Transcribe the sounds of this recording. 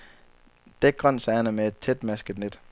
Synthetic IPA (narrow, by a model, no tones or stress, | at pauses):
d̥eɡ̥̚ɡ̥ʁɒn̰sæːnəmeed̥̚t͡sʰed̥mæsɡ̥əd̥ned̥